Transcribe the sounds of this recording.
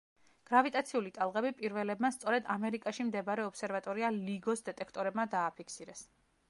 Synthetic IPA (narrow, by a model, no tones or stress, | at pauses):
ɡ̥ɾavit̪ʼat̪sʰiulit̪ʼalˠʁɛbipʼiɾvɛlɛbmast̪sʼɔɾɛd̪amɛɾikʼaʃimd̪ɛbaɾɛɔpsɛɾvat̪ʼɔɾialiɡɔsd̪ɛt̪ʼɛkʰt̪ʼɔɾɛbmad̪aːpʰikʰsiɾɛs